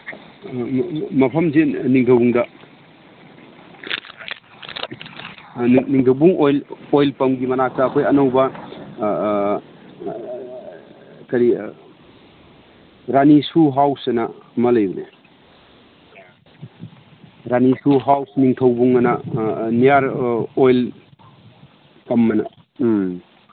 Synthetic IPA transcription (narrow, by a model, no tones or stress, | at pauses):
mɐpʰɐmzeniŋtʰɐwbuŋdɐ | niŋtʰɐwbuŋojlojlpɐmɡimɐnak̚saːkʰojɐnɐwbɐ | kɐɾi | ɾanisuɦawsɐnɐmɐlɐjbɐnḛ | ɾanisuɦawsniŋtʰɐwbuŋɐnɐnijaɾojl | pɐmːɐnɐ̰